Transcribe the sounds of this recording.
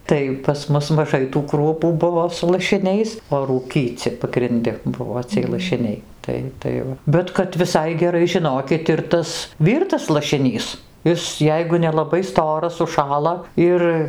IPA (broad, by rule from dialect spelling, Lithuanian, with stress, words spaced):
ˈtɐɪ pɐs ˈmʊs mɐˈʒɐɪ tuː ˈkruɔpuː ˈbʊʋoː sʊ lˠɐʃʲɪˈnʲɛɪs oː ˈruːkʲiːt͡sʲɪ pɐɡrʲɪnʲˈdʲɪ ˈbʊʋoː t͡sʲiɛj lˠɐʃʲɪˈnʲɛɪ ˈtɐɪ ˈtɐɪ ʋɐ bʲɛt kɐt ʋʲɪˈsɐɪ ɡʲɛˈrɐɪ ʒʲɪˈnoːkʲɪt ɪr ˈtɐs ˈʋʲiːrtɐs lˠɐʃʲɪˈnʲiːs ˈɪs ˈjɛɪɡʊ nʲɛlˠɐˈbɐɪ ˈstoːrɐs ʊʃˈʃɑːlˠɐ ˈɪr